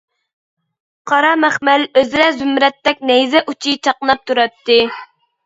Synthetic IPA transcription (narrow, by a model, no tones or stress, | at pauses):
qʰɑɾɑmæχmæløzɾɛzymɾɛt̪ːɛk̚ʲnɛjzɛʔut͡ʃʰit͡ʃʰɑqnɑp̚t̪ʰuɾɑt̪ːɪ